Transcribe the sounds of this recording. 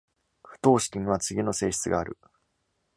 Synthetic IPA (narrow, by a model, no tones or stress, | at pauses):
ɸɯ̟̥t̪o̞ːɕi̥kʲĩŋ̃β̞at͡sɨɡʲino̞se̞ːɕi̥t͡sɨɡaːɾɯ̟